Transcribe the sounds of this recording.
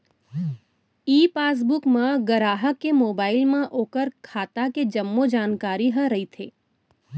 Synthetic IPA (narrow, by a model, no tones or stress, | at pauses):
iːpaːs̬bʊkmãɡəɾaːɦəkːemoːbaːɪlmãʔoːkəɾkʰaːt̪aked͡ʒɐmːod͡ʒaːnkaːɾiɦəɾɐit̪ʰḛː